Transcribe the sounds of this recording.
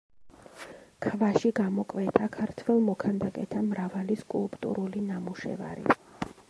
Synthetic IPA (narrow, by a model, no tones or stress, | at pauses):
kʰvaʃiɡamɔkʼvɛt̪ʰakʰaɾt̪ʰwɛlˠmɔkʰand̪akʼɛt̪ʰamɾavaliskʼulˠpʼt̪ʼṵɾulinamuʃɛ̰va̰ɾḭ